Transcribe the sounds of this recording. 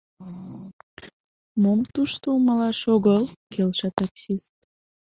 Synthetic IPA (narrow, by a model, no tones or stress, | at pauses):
momt̪uʃt̪ouməlɑʃoɣəlkelʃɑt̪ɑksist̪̚